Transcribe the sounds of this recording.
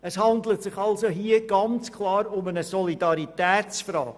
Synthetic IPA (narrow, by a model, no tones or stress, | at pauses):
ɛshɑndlətsɪχɑlzoɦiəɡ̥ɑnt͡skʰlɑːɾʊmənəsɔlidɑɾitɛːt͡sfɾɑ̰ːɡ̥